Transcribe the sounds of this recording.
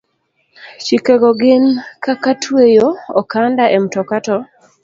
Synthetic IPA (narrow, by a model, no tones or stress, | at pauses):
t͡ʃikeɡɔɡɪnkakatʰwejoɔkandaʔɛmtɔkatɔ